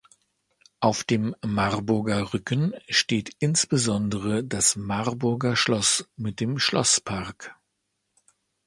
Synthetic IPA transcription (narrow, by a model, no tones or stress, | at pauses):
ʔaʊfd̥eːmːaʁbʊɐɡɐʁʏkənʃteːtʔɪnsb̥əzɔndəʁədasmaʁbʊɐɡɐʃlɔsmɪt̚d̥eːmʃlɔ̰spʰaɐk